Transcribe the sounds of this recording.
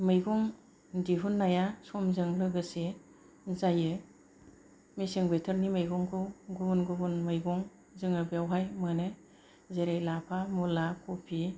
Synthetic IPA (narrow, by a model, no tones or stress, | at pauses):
mɯjɡɔŋ | diɦunːajasɔmzɯŋlɯɡɯse | zajɯ | misiŋbetʰɯɾnimajɡɔŋkʰɯwɡubunɡubunmɯjɡɔŋ | zɯŋɯbijawɦajmɯnɯ | zeɾajlapʰamulakʰupʰi